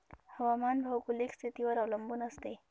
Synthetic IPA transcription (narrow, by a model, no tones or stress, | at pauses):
hawamanbʱawkulikset̪iwaɾawlɐmbunast̪e